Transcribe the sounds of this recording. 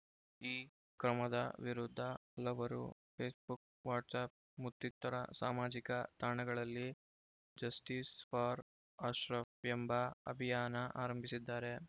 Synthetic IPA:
iː | kɾɐmɐd̪ɐʋiɾud̪ʱːɐɐlɐʋɐɾṵpʰeːsbuk̚ | ʋaːʈsaːp̚ | mut̪ːit̪ːɐɾɐ̰saːmaːd͡ʒikɐt̪aːɳɐɡɐɭɐlːi | d͡ʒɐsʈiːsfɐːɾ | aːʃɾɐjɐmbɐɐ̰bʱijaːnɐʔaːɾɐmbʱisid̪ːaːɾe̞

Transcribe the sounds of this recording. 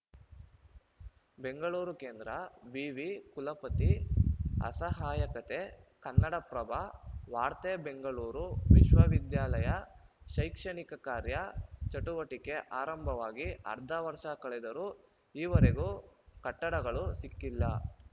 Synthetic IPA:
be̞ŋɡɐɭuːɾukeːnd̪ɾɐbiːʋikulɐpɐt̪i | ɐ̰sɐɦaːjɐkɐt̪e̞kɐnːɐɽɐpɾɐbʱɐʋaːɾt̪eːbe̞ŋɡɐɭuːɾuʋiʃʋɐʋid̪jaːlɐjɐʃɐjkʂɐɳikɐkaːɾjɐt͡ʃɐʈuʋɐʈike̞ʔaːɾɐmbʱɐʋaːɡiɐ̰ɾd̪ʱɐʋɐɾʂɐkɐɭɛd̪ɐɾuː | iːʋɐɾeɡukɐʈːɐɽɐɡɐɭusikːilːɐ

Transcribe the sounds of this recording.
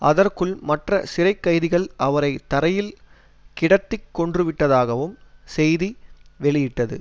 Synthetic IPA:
ʔɐðɐrkɯɭmɐʈrɐsɪɾɐɪkːɐɪðɪɣɐɭʔɐʋɐɾɐɪt̪ːɐɾɐjɪl | kɪɽɐt̪ːɪkːɔɳdrɯʋɪʈːɐðaːɣɐʋɯmsɛjðiʋɛɭɪjɪʈːɐðɯ̰

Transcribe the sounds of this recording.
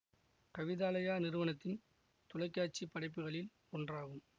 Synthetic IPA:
kɐʋɪðaːlɐjaːnɪɾɯʋɐnɐt̪ːɪn | t̪ʊlɐɪkːaːt͡ʃipːɐɽɐɪpːɯɣɐɭɪl | ɔndraːɣɯm

